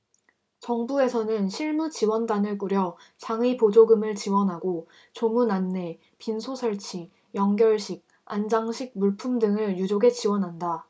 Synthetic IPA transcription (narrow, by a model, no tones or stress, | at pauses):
t͡ɕʌŋbue̞sʰʌnɯnɕʰiɭmut͡ɕiwʌndanɯɭk͈uɾjʌ | t͡ɕaŋipod͡ʑoɡɯmɯɭt͡ɕiwʌnɦaɡo | t͡ɕomunanːe̞ | pinsʰosʰʌɭt͡ɕʰi | jʌŋɡjʌɭɕʰiɡ̚ | and͡ʑaŋɕʰiɡ̚muɭpʰumdɯŋɯɭjud͡ʑoɡe̞t͡ɕiwʌnɦanda